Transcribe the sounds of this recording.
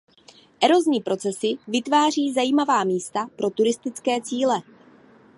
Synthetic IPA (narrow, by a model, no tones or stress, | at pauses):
ʔɛɾo̞zɲiːpɾʔo̞t͡sɛsɪvɪt̪vaːr̝iːzajiːmavaːmiːst̪apɾo̞t̪uɾɪst̪ɪt͡skɛːt͡siːlɛ